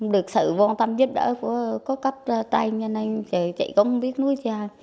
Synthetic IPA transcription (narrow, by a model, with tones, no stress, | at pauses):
ɗɨ˨˩ək̚sɨ̰˧˨vɔ˧nt̪a˧mzi˦˥əp̚ɗə̰ː˧˥ku˧˩əkɔ˨˦kə˦˥p̚ːt̪a˧jɲə˧na˧jt͡ɕə˨˩t͡ɕə̰˧˨jkə˧˦ŋ͡mŋ͡mɓi˦˥ət̚nu˨˦əjt͡ɕaː˨˩